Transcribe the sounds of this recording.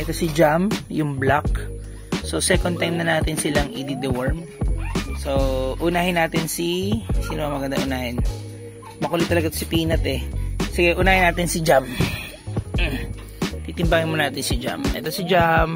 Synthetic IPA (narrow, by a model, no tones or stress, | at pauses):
ʔɛt̪o̞sɪd͡ʒamjʊŋblak̚ | so̞sɛkon̚t̪ajmnɐnaːt̪ɪnsɪlaŋʔɪd̪id̪ɛwɛɹm | so̞ʔʊnaːhɪnːaːt̪ɪnsisinoɐŋmɐɡɐnd̪a̰ʔʊnaːhɪn | mɐkuːlɛt̪ːɐlɐɡat̪osɪpiːnɐt̪ɛsɪɡɛʔʊnaːhɪnːaːt̪ɪnsɪd͡ʒam | t̪iːt̪ɪmbaːŋɐnmonaːt̪ɪnsɪd͡ʒa̰mʔɛ̰t̪o̞sɪd͡ʒam